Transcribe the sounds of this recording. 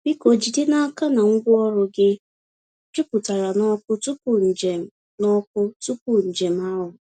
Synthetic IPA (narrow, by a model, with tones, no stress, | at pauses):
bi˦ko˨d͡ʒi˨de˦na˦a˦ka˦na˨ŋ̩˦ɡʷʊ˦ɔ˦ɾʊ˨ɡɪ˦ | d͡ʒʊ˦pʊ˨ta˨ɾa˨nɔ˦kʷʊ˦tu˦kʊ˨n̩˨d͡ʒe˨m̩˨˦ | nɔ˦k̚ʊ˦tu˦ku˨n̩˨d͡ʒe˨m̩˦a˦ɦʊ˨